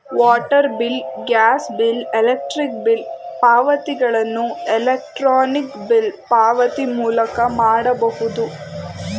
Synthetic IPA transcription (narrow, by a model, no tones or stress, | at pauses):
ʋaːʈɐɾbilɡaːsbilelek̚ʈɾik̚bilpaːʋɐt̪iɡɐɭɐnːuɛlek̚ʈɾaːnikbilpaːʋɐt̪imuːlɐkɐmaːɽɐbɐhud̪u